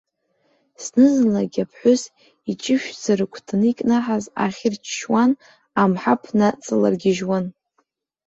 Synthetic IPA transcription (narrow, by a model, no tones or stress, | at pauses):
snɨznlaɡʲapʰħʷʊs | it͡ʃʼɪʃᶣd͡zaɾɨkʷʰtʰɨnikʼnaħaza̰χʲɪrt͡ʃʰʃwan | amħapʰnat͡sʼɨla̰rɡʲɪʒwan